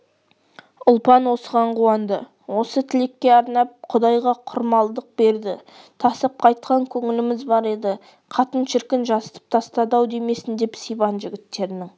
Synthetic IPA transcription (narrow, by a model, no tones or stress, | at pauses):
ʊlˠpɑnwo̞səʁɑɴqʰuwɑnd̪ə̰ | wo̞sət̪ʰɪlekʲːe̞ɑɾnɑp̚qʰʊd̪ɑjʁɑqʰʊɾmɑlˠd̪əq̚b̥e̞ɾd̪ɪ | t̪ʰɑsəp̚qʰɑjt̪̚qɑŋkʲʰɵŋɪlɪmɪzbɑɾe̞d̪ɪ | qʰɑt̪ənʃɪɾkʲɪnʒɑsə̥t̪ə̥p̚t̪ʰɑst̪ɑd̪ɑwd̪eme̞sɪnd̪e̞psijbɑnʒɪɡʲɪt̪ːe̞ɾɪnɪŋ